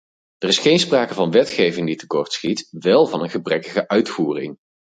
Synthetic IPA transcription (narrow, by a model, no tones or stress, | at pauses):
dərɪsχejnspraːkəvɑnʋɛtχejvɪŋditə̥kɔɹtsχitʋɛlˠvɑnənχəbrɛkəχəʔœɥtfuːrɪ̰ŋ